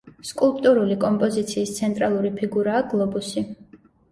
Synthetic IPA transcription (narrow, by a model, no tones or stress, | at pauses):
skʼulˠpʼt̪ʼuɾulikʼɔmpʼɔzit̪sʰiːst̪sʰɛnt̪ʼɾalˠuɾipʰiɡuɾaːɡlˠɔbusi